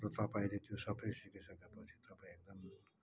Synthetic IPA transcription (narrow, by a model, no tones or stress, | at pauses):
rʌt̪ʌpaĩlet̪josʌbʌjsikisʌkepʌt͡sʰi̥t̪ʌpãĩek̚d̪ʌm